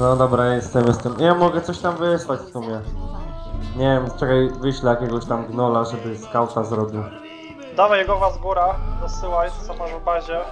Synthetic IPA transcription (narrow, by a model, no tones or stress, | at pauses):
nɔd̪ɔbɾajɛst̪ɛmjɛst̪ɛmjamɔɡɛt̪sɔɕt̪amvɘswat͡ɕfsumʲjɛ | ɲɛvʲjɛmst͡ʂɛɡɔjvɘɕlɛjakʲɛɡɔɕt̪amɡnɔlaʐɛbɘskawt̪azɾɔbʲiw | d̪avajɛɡɔvazɡuɾad̪ɔsɘwajt̪sɔmaʒbaʑɛ